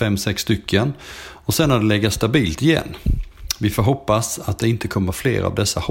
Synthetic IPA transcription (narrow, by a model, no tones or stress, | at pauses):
fɛmːsɛksːt̪ʏkʰːənɔsɛnːad̪ɛlɛɡːast̪abiːlt̪ɪjɛ̰nːvɪfoːɾɦɔpːasat̪̚d̪ɛɪnt̪əkʰɔmːəɾflḛːɾa̰vd̪ɛsːah